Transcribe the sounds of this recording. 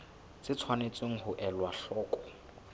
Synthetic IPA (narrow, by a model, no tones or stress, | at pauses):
t͡sɪt͡sʰwanet͡sʼeŋ̩hʊʔɛlwaɬɔːkʼɔ̥